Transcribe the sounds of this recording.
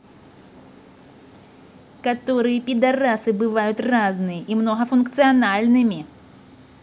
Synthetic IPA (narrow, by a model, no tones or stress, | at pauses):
kat̪ɔɾɨjɛpʲid̪ɐrasɨbɨvajʊt̪ʲraznɨjəʔimnɔɣɐfunkt̪sɨɐnalʲnɨmʲi